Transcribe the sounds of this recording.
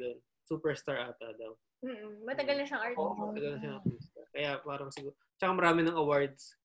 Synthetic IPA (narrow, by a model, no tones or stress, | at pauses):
d̪on | suːpɛɹst̪aɹʔaːt̪ɐd̪ɐw | m̩ːmɐt̪ɐɡɐlnɐʃɐŋʔaɹmɐt̪ɐɡɐlnɐʃɐnɐist̪akɐjapaːɾɐmɐsɪɡuːɾot͡ʃɐkamɐɾaːmɪnɐŋʔɐwaɹd̪̚s